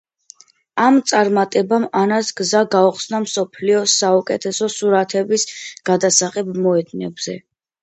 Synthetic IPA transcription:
amt̪sʼaɾmat̪ʼɛbamanasɡzaɡauχsnamsɔpʰliɔsaukʼɛt̪ʰɛsɔsuɾat̪ʰɛbisɡ̥ad̪asaχɛbmɔɛd̪nɛbz̥ɛ

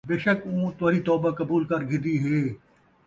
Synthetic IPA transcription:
beːʃəkõːt̪ʊʋaːɾit̪ɔːbakɐbuːlkɐɾɡʱɪ̃d̪iɦeː

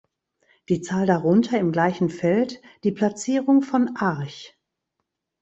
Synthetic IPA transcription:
d̥iːt͡saːldaʁʊntʰɐɪmɡlaɪçn̩fɛltd̥iːpl̥at͡siːʁʊŋfɔnʔaɐç

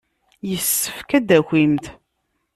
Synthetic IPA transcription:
jəsːə̥fkæd̪æxʷimt̪

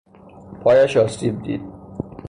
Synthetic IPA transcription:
pʰɒːjæʃɒːsiːb̚d̪ḭːd̪̥̚

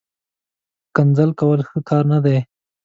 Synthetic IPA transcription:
kanzalkawəlxəkʰɑɾnad̪e

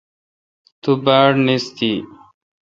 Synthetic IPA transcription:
t̪ubaːɽnist̪i

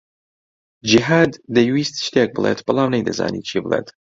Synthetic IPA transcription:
d͡ʒiɦaːd̪ːɐjwiːst̪ʃt̪ek̚bɨlˠḛːt̪b̥ɨlˠaːmnejd̪ɐza̰ːnḭːt͡ʃʰiːbɨlˠḛːt̪

